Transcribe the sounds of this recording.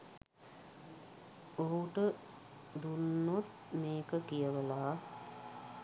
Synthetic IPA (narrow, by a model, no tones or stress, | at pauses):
oɦuʈə | d̪unːot̪ | meːkəkijəʋəlaː